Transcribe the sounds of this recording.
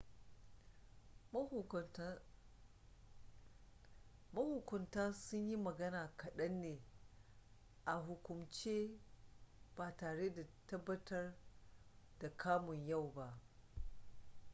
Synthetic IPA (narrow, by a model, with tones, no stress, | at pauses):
mɐ˦hʊ˨kʷʊ˨ntaː˦sʊ˦ɲji˦mɐ˨ɡɐ˦naː˨kɐ˨ɗɐ˦nːeː˨ | ʔa˨ɦʊ˨kʷʊ˨mt͡ʃeː˦ | b̥aː˨taː˨ɽeː˦da˨tɐ˦bːɐ˦tɐ˦r | d̥a˨kʰaː˦mʊ˨ɲja˦˨wba˦ʔ